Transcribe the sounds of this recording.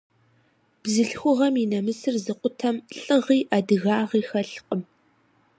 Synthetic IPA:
b̥zɨɬxʷʊʁɐminɐmɨsɨrzɨqʷʼʊtʰɐmɬʼɨʁiːʔadɨɣaːʁiːxɐɬqʼəm

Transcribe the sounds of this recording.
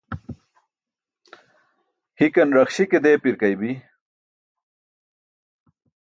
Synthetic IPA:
hikɐnɾɐxɕiked̪eːpiɾkɐjbi

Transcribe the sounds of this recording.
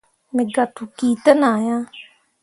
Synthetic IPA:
mɪɡat̪ʰukiːt̪ənaːjãː

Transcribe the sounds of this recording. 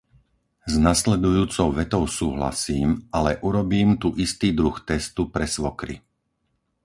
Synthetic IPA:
znaslɛd̪ujuːt͡sɔʊʋɛt̪ɔʊsuːɦla̰siːmʔalɛʔuɾɔbiːmt̪uʔist̪iːd̪ɾuxt̪ɛst̪upɾɛsʋɔkɾḭ

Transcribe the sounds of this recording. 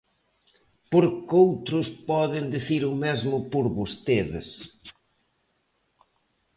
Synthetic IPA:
poɾkowt̪ɾʊspɔðɪnd̪iθiɾʊmezmʊpoɾβost̪eðɪ̰s

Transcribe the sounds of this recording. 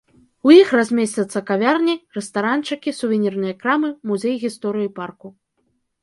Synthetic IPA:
ujixrazʲmʲesʲt͡sʲɐt̪sːɐkavʲarnʲirɛst̪aɾant͡ʂɨkʲisuvʲenʲirnɨjɐkɾamɨmuzʲejɣʲist̪ɔɾɨjiparku

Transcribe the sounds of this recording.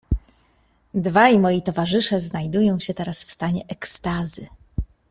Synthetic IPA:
d̪vajmɔjit̪ɔvaʐɘʂɛznajd̪ujɔ̃w̃ɕɛt̪ɛɾasfst̪aɲɛʔɛkst̪azɘ

